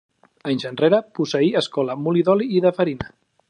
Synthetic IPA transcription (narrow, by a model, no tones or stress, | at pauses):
əɲzənreɾəpusəiəskɔləmuliðɔliːðəfəɾinə